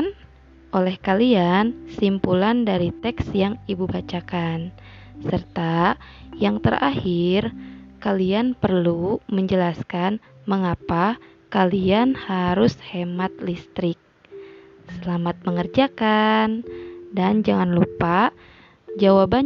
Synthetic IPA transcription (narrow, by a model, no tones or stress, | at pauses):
n | ʔolɛhkaliansimpulandaɾit̪ɛksjaŋibubat͡ʃakan | sərt̪ajaŋt̪ərʔa̰hirkalianpərluməɲd͡ʒəlaskanməŋapakalianhaɾushɛmat̪̚list̪ɾɪk̚ | səlamat̪̚məŋərd͡ʒakandand͡ʒaŋanlupa | d͡ʒawaba